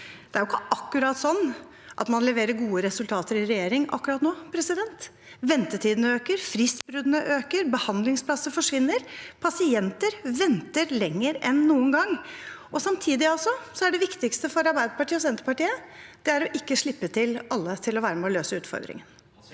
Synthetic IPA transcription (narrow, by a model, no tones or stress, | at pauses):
d̪̥ɛæɾjʊɪkːəʔɑkːʉɾɑːt̪sɔnː | ʔɑ̰t̪mɑnlɛʋeːɾəɾɡuːəɾɛsʉlt̪ʰɑːt̪əɾɪɾɛjeːɾɪŋɑ̰kːʉɾɑːt̪noːpʰɾɛsɪd̪ɛnt̪ | ʋɛnt̪ət̪ʰiːd̪ənəøːkəɾfɾɪsbɾʉd̪nəʔøːkəɾbəhɑnd̪lɪŋspʰlɑsːəfɔʂʋɪnːəɾpʰɑsɪɛnt̪əɾʋɛnt̪əɾlɛŋːəɾɛnːuːənɡɑŋːɔsɑmt̪ʰiːd̪ɪɑlsɔsɔæɖɛʋɪkt̪ɪkst̪əfɔɾɑɾbæɪd̪əpɑʈiːɔsɛnt̪əpɑʈiːəd̪̥ɛæɾɔʔɪkːəʂɭɪpːət̪ʰɪlɑlːət̪ʰɪlɔʋæːɾəmɛɔløːsəʉːt̪fɔ̰ɾd̪ɾɪ̰ŋən